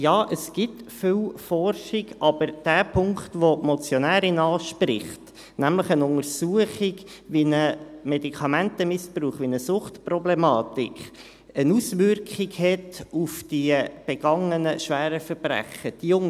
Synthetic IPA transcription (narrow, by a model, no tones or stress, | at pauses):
jɑːʔəsɡ̥ɪtfʏwfɔrʃɪɡɑb̥əɾd̥æːpʰʊŋktʋomɔt͡sjɔnæːɾɪnɑːʃpɾɪ̰χt | næmləχənʊŋəɾsuəχɪɡ | ʋinəmɛdikʰɑmæntəmɪspɾuːχʋinəsʊχtprɔblɛmɑːt̪ɪk | ənusʋʏrkχɪɡhɛtufd̥ib̥ɛɡ̥ɑŋənəʃʋæːɾəfəɾb̥ɾæ̰χəd̥ijʊŋ